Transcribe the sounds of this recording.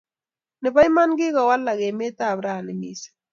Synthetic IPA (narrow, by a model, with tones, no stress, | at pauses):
nɪ˨βa˦jma˦nɡɪ˦ɣa˨wa˦lːa˨ɣe˨me˦ta˦˨βɾa˦a˨nɪ˨mi˦se̥˨